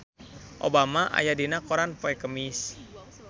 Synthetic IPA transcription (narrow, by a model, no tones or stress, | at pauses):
ʔo̰bamaʔa̰jadinakɔɾanpoɛkəmis